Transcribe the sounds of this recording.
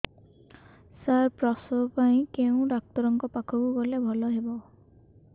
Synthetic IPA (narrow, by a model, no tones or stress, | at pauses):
sajpɹɔsɔpaj̃keʊ̃dak̚tɔɹɔŋkɔpakʰɔbuɡɔlɛbʱɔlɔɦebɔ